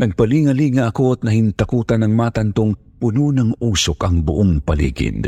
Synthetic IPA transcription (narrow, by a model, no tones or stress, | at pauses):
nɐɡ̚pɐliŋɐliŋɐʔɐkot̪̚nɐhɪnt̪akuːt̪anɐŋmaːt̪ɐnt̪oŋ | pʊnuːnɐŋʔuːsokɐŋbʊʔoŋpɐlḭːɡɪ̰n